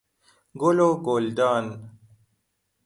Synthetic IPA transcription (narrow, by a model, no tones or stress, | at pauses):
ɡoloːɡoːld̪aːn